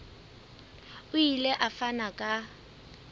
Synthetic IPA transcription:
ʊileʔafanakʼa

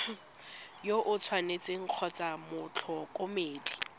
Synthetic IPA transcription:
joʔʊt͡sʰwanet͡sʼɪŋ̩q͡χʰɔt͡samʊt͡ɬʰɔkʼomeːdi

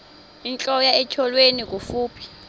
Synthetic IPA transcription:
int͡ɬʼɔjaɛt͡ʃʰɔlwenik̬ʼufuːpʰi̥

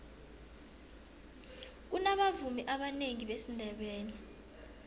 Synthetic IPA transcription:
k̬unaɓavumiʔaɓaneŋiɓesindʱɛɓɛːnɛ

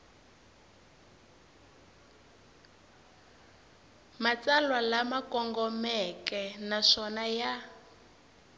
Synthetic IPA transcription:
mat͡salwalamakɔŋɡɔmɛkɛnaʂɔnaja

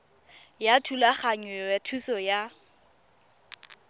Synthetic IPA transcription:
jatʰulaχaɲɛatʰusɔja

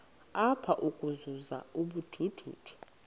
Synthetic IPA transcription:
apʰaʔukʼuzuza̰uɓud̥ʱud̥ʱṵːd̥ʰʱu̥

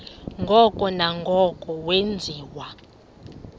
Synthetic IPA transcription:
ŋɡʱɔkʼɔnaŋɡʱɔkʼɔwend͡zʱiːwa

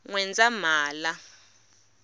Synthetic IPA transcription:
ŋwɛnd͡zamaːla

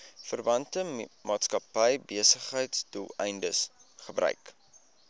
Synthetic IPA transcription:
fərvɐntəmɑːtskɐpəjbiəsəχɦəjtstuɛ̰jndəsχəbrœ̰ɥk

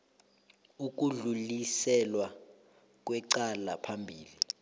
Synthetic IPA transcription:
uk̬uɮulisɛlwa | k̬wɛǀala̰pʰambʱiːli

